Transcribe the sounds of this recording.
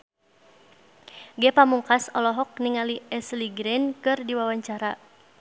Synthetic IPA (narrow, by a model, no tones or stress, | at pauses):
ɡɛpamuŋkasɔlɔɦɔk̚niŋaliɛsliɡɾɛnkɨrdiwawaɲt͡ʃaɾa